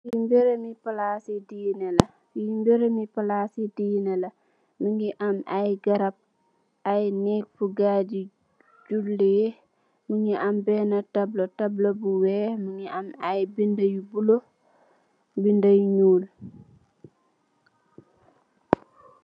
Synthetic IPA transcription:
jimbeɾemipalasidinelɐ | jimbeɾemipalasidinelɐ | miŋɡiʔamajɡɐɾap̚ | ʔajnɛk̚fuɡadi | d͡ʒulːeje | muŋiʔambɛːnatablotablobuwɛːmiŋiʔamajbindajubulo | bindajɲuːl

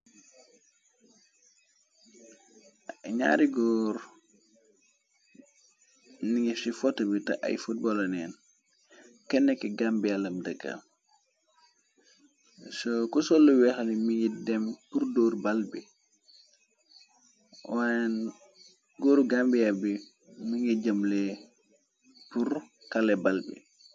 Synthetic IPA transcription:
ɲa̰ːɾiɡɔɾ | niŋɛfsifɔtːɐbitɐ̰ʔa̰jfut̚bɔlɐnɛ̰ːn | kɛnːɛkːɛɡambialɐmdəɡːa̰m | sɔkusɔlːuwɛxlimiŋɡidɛmpuɾdɔːɾbalbi | wan | ɡoːɾuɡambijabi | miŋiɟamlɛ | puɾ | kalɛbalbḭ

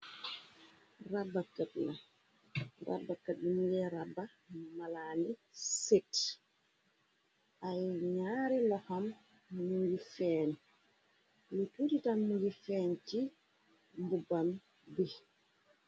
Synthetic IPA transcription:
rabːakatna | ɾa̰bːakːaɗːumjɛɾabːa | malanɛset | ʔajɲaːɾɛlɔham | muɡifɛːni | lutuditanmuɡifɛːnti | mbubam | bɛ

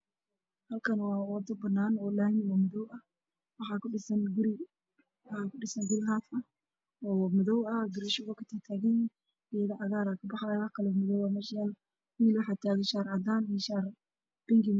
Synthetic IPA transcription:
hɐlkʰɐnwɑːwɔd̪ɐbɐnaːnɔːlaːjnɪwamʊðɔwɐh | wɑħɑːkʰʊɖɪsɐnɡʊɾɪ | wħɑːkʰʊɖɪsɐŋɡʊɾɪɦaːfɐ | ɔːwmʊðɔwɐɡɪɾɪʃʊɣɔkʰɐt̪ʰat̪ʰaːɣɛj | ɪjɐðɐʔɑɣaːɾaːkʰɐbɑħɑjwɑħkʰɐlɛwmʊðɔwɐmɛʃal | wiːlwɑħɑt̪ʰaːɣɛʃaːɾʕɑd̪aːniʃaːr | b̥ɪŋɡɪ

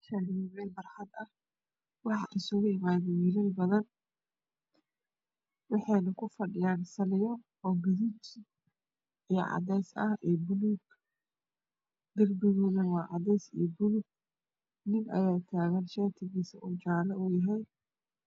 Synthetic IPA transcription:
ʃaɾβɛjbɐrħɑd̪ɐh | wɑħɑ̰ʔɪsʊɣʊɪmaːðɪjɪɾɪlbɐðɐn | wɑħɑjnɐkʰʊfɐɖɪjaːnsɐlɪjɐ | ɔːɡɐðut͡ʃ | ijʕɑ̰dɛjsɐhɛːbʊlʊɡ | ɡɐrbɪɣɔːðɐwɑːʕɑ̰ðɛjsḭːbʊlʊɡ̚ | nɪnʔɐ̰jaːt̪ʰaːɣanʃat̪ʰɪɣiːsɐʔʊt͡ʃaːlɐʊjɐɦɛj

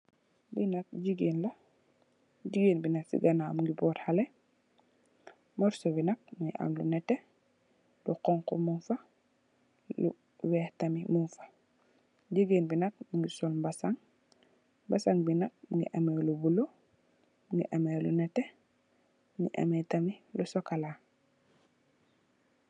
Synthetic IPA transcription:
binɐt̚ɟiɡinlɐ | ɟiɡeːnbinɐtsḭɡɐnaːmuŋɡibɔːthalɛ | mɔɾsɔbinɐk̚muŋɡḭʔa̰mlunɛtːɛ | luqɔŋkɔmunfɐ | lṵ | wɛhtɐmimunfḁ | ɟiɡenbinɐt̚muŋɡisɔlmbasaŋ | basaŋbinɐk̚muŋɡḭʔɐmɛlubulo | muŋɡḭʔamɛlunɛtɛ | mŋɡḭʔa̰mɛtɐmilusɔkala

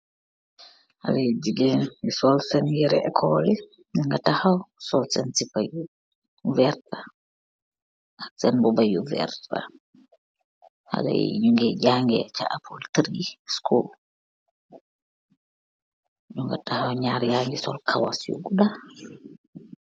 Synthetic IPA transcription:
ha̰lad͡ʒiɡɛnisɔlsɛnjɛɾɛɛkʰɔlɛ | ɲuŋɡatahawsɔlsɛnsipaju | vɛɾta | ʔaksɛnbɔbajuvɛ̰ɾta̰ | ha̰da̰j̰juŋɡɛɟaŋɡɛ̰t͡ʃa̰ʔapʰultɾiskʰul | ɲuŋɡatahawɲaɾjaŋɡisɔ̰lkʰawa̰sjṵɡuda

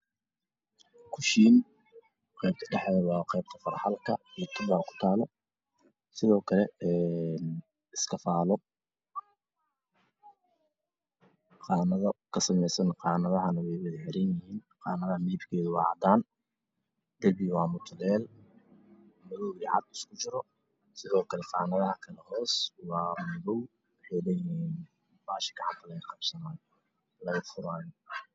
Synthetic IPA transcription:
kʰʊʃiːn | qɛːb̚t̪ʰɐɖɛħɛːwɑːqɛːb̚t̪ʰɐfɐrħɑlkʰɐlaːkʰɪmbaːkʰʊ̥t̪ʰaːlɔ | sɪðɔːkʰɐlɛɛn | ɪskʰɐfaːlɔ | qɑːnɐðɐkʰɐsɐmɛjsɐnqɑːnɐðɐɦɐnɐwɛjwɐðħɪɾɛnjɐhiːn | qɑːnɐðɐmɛːbkʰɛːðʊwɑ̰ːʕɑ̰d̪aːn | d̪̥ɐlbɪwɑːmʊt̪ʰʊlɛːl | mɐðɔwiʕɑ̰d̪ɪskʰʊt͡ʃɪɾɔ | sɪðɔːkʰɐlɛqɑːnɐðɐhɐkʰɐlɐhɔːswɑːmɐðɔw | wɑħɑjlɛjɪiːn | b̥aːʃɪ̥kʰɐħɑt̪ʰɐlɐɣɐqɑbsɐnaːj | lɐɣɐfʊɾaːjɔ

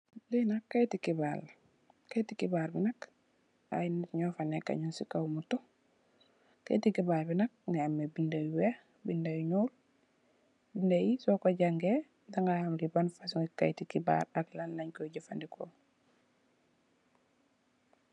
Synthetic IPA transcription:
linakːajtikibal | kajtikibaɾbinak | a̰jinitɲofaneka̰ɲunsikaumuto | ka̰jtikibaːlbinak̚neamebindajiwe | bindajɲol | bindajisokoɟaŋɡe | daŋɡahamɡibanfas̬uŋika̰jtikiba̰ɾaklanːaɲkoɟifandikʰo̰

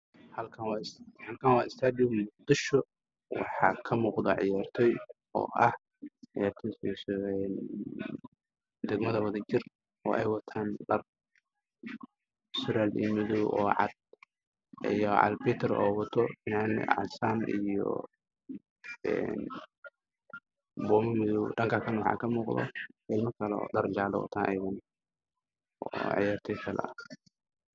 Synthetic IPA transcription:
hɐlkʰɐnwɑɪshɐlkʰaːnwɑːʔɪst̪ʰaːd̪ɪmʊq̚d̪ɪʃɔ | wɑ̰ħɑ̰ːkʰɐmuːqd̪ɐʕɪjaːrt̪ʰɛj | ɔ̰ːʔɐh | ʕɪjaːrt̪ʰɛsisɛn | d̪ɛɡmɐðɐwɐðɐt͡ʃɪr | ɔ̰ːʔɛjwɑt̪ʰaːnɖɐr | sʊɾaːlḭːmʊðʊwʔɔːʕɑ̰d̪̚ | ijɔʕɑ̰lbit̪ʰɛɾɔːwɐt̪ʰɔɪnan̰ʕɑ̰saːnijɔ̰ | ɛn | bɔːmɪmɪðuwɖɐŋkʰakʰɐnwɑħɑ̰ːkʰɐmuːqðɔ̰ɛlmɐkʰɐlɛɔ̰ːɖɐrɡaːlɔ̰wɔ̰t̪ʰaːnʔɛjɣɐn | ɔːʕɑ̰jaːrt̪ʰɛjkʰɐlɐ̰ɐ̰

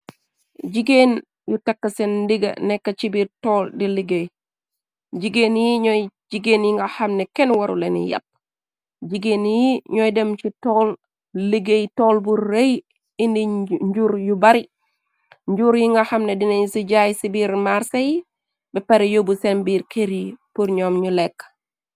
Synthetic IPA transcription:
d͡ʒiɡeːn | jutɐkːɐsɛndiɡɐ̰nɛkːɐt͡ʃibiːɾtɔːldiliɡej | d͡ʒiɡenjiɲɔd͡ʒiɡeːnjiŋɡahamnɛkɛnwaɾṵlenḭjɐ̰p̚ | d͡ʒiɡeːnjiɲɔjdemt͡ʃitɔːl | liɡejtoːlbuɾːej | indid͡ʒuɾjubaɾi | ɲɟuɾjiŋɡɐhamnedineɲisiɟajsibiɾmaɾsɐji | bɛpɐɾijobusenbiːɾkʰeɾipuɾɲomɲulekː

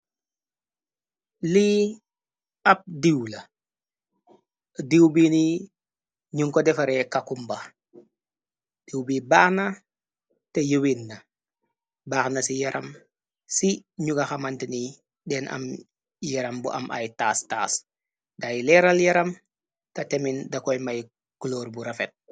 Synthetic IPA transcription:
li | ɐp̚diwlɐ | diwbini | ɲuŋkɔdɛfaɾɛkakumbɐ | d̥iwbibaːxna | tejuwinːa | baːxnasijɐɾʔam | siɲuɡaxamantini | dɛːnɐ̰m | jɐɾɐmbṵʔa̰mʔa̰jtastaːs | dajlɛɾaljɐɾɐm | tatemindakojmaj | kuloːɾbuɾafet̚

